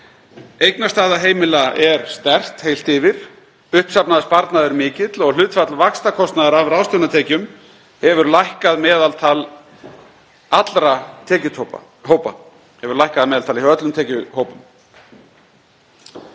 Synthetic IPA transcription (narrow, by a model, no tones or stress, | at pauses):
ejknast̪aːðaɦeːjmɪlaɛɾst̪ɛr̥t̪hejl̥t̪ɪvɪɾ̥ | ʏhpsapnaðaspaɾt̪naðʏɾmɪːcɪt̪lɔɣlʏːt̪fat̪lavakst̪akʰɔst̪naðaɾavɾaːwst̪ʏwnat̪ʰɛːcʏm | hɛvʏɾlajhkaðmɛːðalt̪ʰal | at̪lɾat̪ʰɛːcʏt̪ʰ | hoːwpa̰ | hɛvʏɾlajhkaðmɛːðalt̪ʰaliœt̪lʏmt̪ʰɛːcʏhoːwpʏm